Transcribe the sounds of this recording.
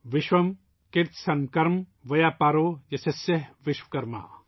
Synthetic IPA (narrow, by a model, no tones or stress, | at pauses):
ʋɪʃʋɐm | kɪɾt̪ʰsɐŋkɐɾmʋɐjaːpaːɾoːjɐsɐseɦʋɪʃwkɐɾma̰ː